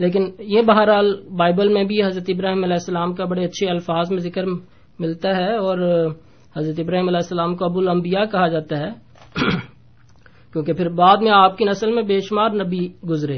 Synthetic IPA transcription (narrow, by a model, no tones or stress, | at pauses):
leːk̬ɪnjebɐɦaːɾɦaːlbaːɪbəlmẽbʱiɦɐzɾət̪ɪbɾaːɦimɐlɛːɦsːəlaːmkabɐɽeɐtːʃʰeɐlfaːzmẽzɪkəɾ | mɪlt̪aɦɛɔːɾ | hɐzɾət̪ɪbɾaːɦimɐlɛːɦsːəlaːmkoɐbʊlɐ̃mbijakɐɦad͡ʒaːt̪aɦɛː | kjõːkepʰɪɾbaːd̪mẽaːp̚kinɐsəlmẽbeːʃmaːɾnɐbiɡʊzɾe